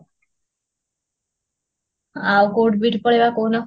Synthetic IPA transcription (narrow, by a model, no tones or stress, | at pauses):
awkoʈbiʈpɔɽebakownɔ